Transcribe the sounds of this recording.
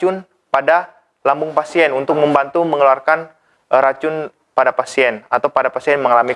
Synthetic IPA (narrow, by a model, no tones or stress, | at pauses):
ʊn | pada | lambʊŋpasiɛnunt̪ʊk̚məmbant̪uməŋəluarkan | ɾat͡ʃʊn | padapasiɛnat̪awpadapasiɛnməŋalami